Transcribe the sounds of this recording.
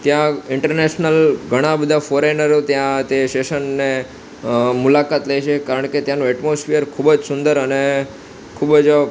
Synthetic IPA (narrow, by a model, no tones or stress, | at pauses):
t̪jãɪɳʈəɾneʃnəlɡʱəɽ̃ãbəd̪ʱafoɾenəɾot̪jãt̪eʃeʃənːe | mulakat̪ləjt͡ʃʰekaɾəɳket̪janũɛʈmosfijəɾkʰubəd͡ʒsʊnd̪əɾəne | kʰubəd͡ʒ